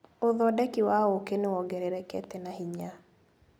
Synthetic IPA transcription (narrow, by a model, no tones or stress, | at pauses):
oðɔdɛkɪwaokeneɔɡeɾeɾɛkɛ̰tɛnahiɲa